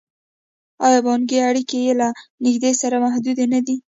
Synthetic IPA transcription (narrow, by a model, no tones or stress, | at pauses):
ɑjɑbɑnɡeaɽikejelanɪɡd̪esaɾamahd̪ud̪enad̪i